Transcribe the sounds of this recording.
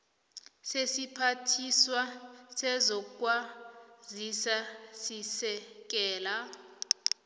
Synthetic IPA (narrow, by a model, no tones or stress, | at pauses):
sesipʰatʰiswasɛzɔkkʼwazisasisɛk̬ɛːla